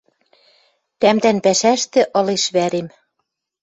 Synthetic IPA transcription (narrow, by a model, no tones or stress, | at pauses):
t̪æmd̪ænpæʃæʃt̪ĕʔɤ̆leʃβæɾem